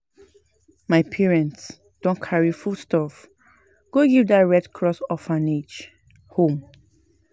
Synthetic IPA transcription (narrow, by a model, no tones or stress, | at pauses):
maɪpʰɛɹɛ̃nts | d̥ɔ̃nkʰaɹifustɔf | ɡ̥oɡivdatɹɛdkʰɹɔsɔfãned͡ʒ | hõm